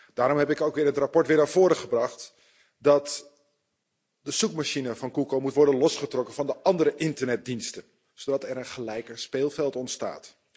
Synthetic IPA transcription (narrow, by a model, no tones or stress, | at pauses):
d̥aːɾɔmɦɛpɪkowkʋɪːɹɦətrapɔɹtʋɪːɹnaːvoːɾəχəbrɑχt | dɑt | dəsukmaʃinəvɑnkukomutʋɔɹdənlɔsχətrɔkənv̥ɑndəʔɑndəɾəʔɪntərnɛt̚dinstə | sodɑtɛɾənχəlɛjkəspeːlˠfɛlˠtɔntsta̰ːt